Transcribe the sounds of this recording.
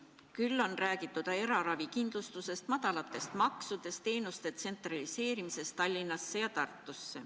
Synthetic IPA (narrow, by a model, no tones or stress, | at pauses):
kylːo̞nræːɡ̥it̪ːˑud̪̥ɑe̞ɾɑɾɑvikind̪̥lust̪use̞st̪mɑd̪̥ɑlɑt̪ːˑe̞st̪mɑksud̪̥e̞st̪e̞ːnust̪e̞t̪se̞nt̪ˑrɑlise̞ːɾimise̞st̪ɑlʲːinɑsːe̞jɑt̪ɑrt̪ˑːusːe̞̰